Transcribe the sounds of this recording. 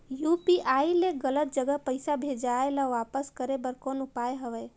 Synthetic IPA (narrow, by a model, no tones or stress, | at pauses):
jupiaileɡələt̪̚d͡ʒəɡəpəɪsabʱed͡ʒaelaʋapəskəɾebəɾkonupajɦəʋɛ